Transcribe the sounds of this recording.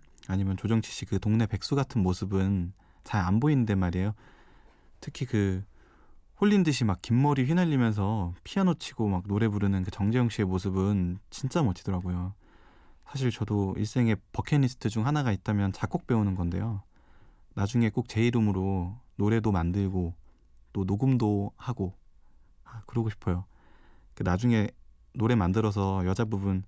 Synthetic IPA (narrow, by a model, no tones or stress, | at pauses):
aɲimjʌnt͡ɕod͡ʑʌŋt͡ɕʰi̥ɕ͈ʰikɯtoŋne̞pe̞k̚s͈uɡatʰɯnmosʰɯbɯn | t͡ɕaɾanboinɯndwe̞maɾiejo | tʰɯkʰikɯ | ɸoʎːindɯɕ̬ʰimakk͈imːʌɾiɸɥinaʎːimjʌns̬ʰʌpʰianot͡ɕʰiɡ̥omak̚noɾe̞buɾɯnɯnkɯt͡ɕʌŋd͡ʑejʌŋɕ͈ʰiemosʰɯbɯnt͡ɕint͡ɕ͈amʌt͡ɕʰidʌɾaɡojo | sʰaɕ̬ʰiɭt͡ɕʌdoḭɭs͈e̞ŋe̞pʌkʰenisʰɯ̥tʰɯd͡ʑuŋɦanaɡait̚t͈amjʌnt͡ɕak͈ok̚p͈e̞unɯnɡʌnde̞̰jo | nad͡ʑuŋe̞k͈ok̚t͡ɕe̞iɾɯmɯɾonoɾe̞domandɯɭɡo | t͈onoɡɯmdohaɡo | akɯɾʌɡoɕʰi̥pʰʌjo | kɯnad͡ʑuŋe̞ | noɾe̞mandɯɾʌs̬ʰʌjʌd͡ʑabubun